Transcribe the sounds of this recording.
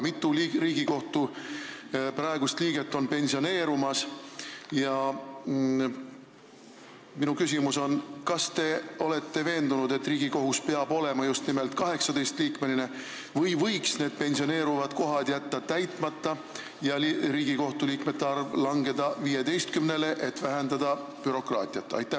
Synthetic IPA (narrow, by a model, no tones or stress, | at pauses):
mit̪ːˑulriːɡiko̞ht̪u | pɾɑe̞ɡ̥ust̪liːɡ̥e̞t̪ˑːo̞npe̞nʲsio̞ne̞ːɾumɑs | jɑ | minukys̬imuso̞nkɑst̪e̞o̞le̞t̪ːe̞ve̞ːnd̪unud̪̥e̞t̪ːˑriːɡ̥iko̞ɦuspeɑbo̞lemɑjust̪nimelt̪kɑɦe̞ksɑd̪e̞jst̪liːkme̞line̞ | vɤjvɤjksne̞ːd̪̥̚pe̞nʲsio̞ne̞ːɾuvɑd̪ko̞ɦɑt̪jæt̪ːɑt̪æjt̪ˑmɑt̪ːˑɑ | jɑɾiːɡ̥iko̞ht̪uliːkme̞t̪ːeɑrvlɑŋɡe̞d̪ɑviːje̞d̪e̞jst̪kymnele̞ʔe̞t̪væɦend̪ɑd̪̥ɑpyɾo̞krɑːt̪ʲˑiɑt̪ːˑɑ̰jt̪ːˑæ